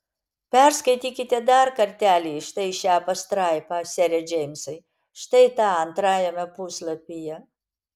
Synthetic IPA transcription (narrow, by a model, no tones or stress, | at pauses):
pʲɛɾskɐɪt̪ʲiːkʲɪt̪ʲɛd̪ɐɾkɐɾʲt̪ʲæːlʲiːʃt̪ɐɪʃʲæːpɐst̪ɾɑɪpɑːsʲɛɾʲɛd͡ʒʲɛɪmʲsɐɪ | ʃt̪ɐɪt̪ɑːɐnt̪ɾɑːjɛmʲɛpuːslˠɐpʲijɛ